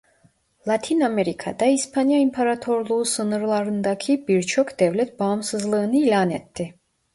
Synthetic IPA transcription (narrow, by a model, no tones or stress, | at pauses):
lˠat̪ʰinameɾikʰa̰d̪aispʰanjaimpʰaɾat̪ʰo̞ɾlˠuusɯnɯɾlˠaɾɯnd̪acʰibiɾt͡ʃʰo̞kd̪̥ɛvlʲɛt̪̚baːmsɯzlˠɯːnɯiːlʲaːnɛt̪ʰːɪ